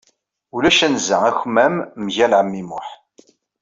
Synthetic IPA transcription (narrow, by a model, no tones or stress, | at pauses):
ulæʃænzəŋæçmæmːʝælʕəmːimʊħ